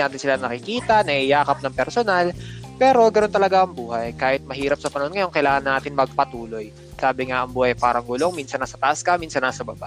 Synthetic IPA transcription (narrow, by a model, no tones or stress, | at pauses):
naːt̪ɪnsɪlaɐŋnɐkɪkiːt̪ɐnɐhijaːkɐp̚nɐŋpɛɾsonalpɛːɾo̞ɡɐno̞nt̪ɐlɐɡaʔɐŋbuːhɐjkaːhɪt̪̚mɐhiːɾɐp̚sɐpɐnɐhonŋɐjo̞nkɐjlaːŋɐnːaːt̪ɪnmɐɡ̚pɐt̪uːlo̞j | saːbɪŋaʔɐŋbuːhɐjpaːɾɐŋɡʊlo̞ŋminsɐnːɐsɐt̪aʔskɐmiːnsɐnːɐsɐbɐba̰ʔ